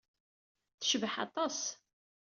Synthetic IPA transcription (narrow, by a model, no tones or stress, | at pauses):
θʃvəħɑ̰t̪ˤɑs